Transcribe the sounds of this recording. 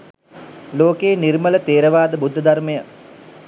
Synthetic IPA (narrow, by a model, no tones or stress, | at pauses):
loːkeːnirmələt̪eːɾəʋaːd̪əbud̪ʱːəd̪armejə